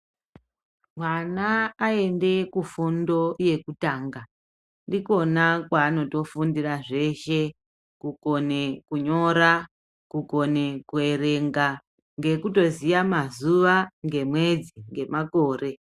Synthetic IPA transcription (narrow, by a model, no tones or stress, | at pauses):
mwanaːe̞nde̞kufundo̞je̞kutaːŋɡa | ndiko̞nakwaːno̞to̞fundiraʐe̞ʃe̞ | kuko̞ne̞kuɲo̞ɾa | kuko̞nekue̞ɾe̞ŋɡa | ŋɡe̞kuto̞zijamazuʋaŋɡe̞mwe̞d͡ziŋɡe̞mako̞ːre̞